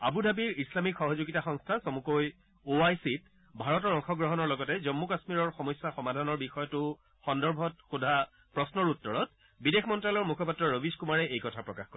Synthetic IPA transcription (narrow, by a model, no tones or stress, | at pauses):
abudʱabiɹislamikxɔɦɔzuɡitaxɔŋstʰasɔmukoj | oajsit | bʱaɹɔtɔɹɔŋxɔɡɹɔɦɔnɔɹlɔɡɔtɛzɔmːukasmiɹɔɹxɔmɔjsːaxɔmadʱanɔɹbixɔjɔtʊ | xɔndɔɹbʱɔt̚xudʱa | pɹɔsnɔɹutːɔɹɔt̚ | bidexmɔntɹalɔɹmukʰɔpatɹɔɹobiskumaɹɛʔejkɔtʰapɹɔkaxkɔɹ